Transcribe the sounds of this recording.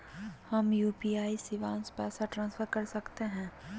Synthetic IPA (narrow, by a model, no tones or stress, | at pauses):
hɐmjuːpiːaːisɪʋãːnspɛːsaʈɾãːnsfʰəɾkɐɾsɐkt̪eɦɛ̃ː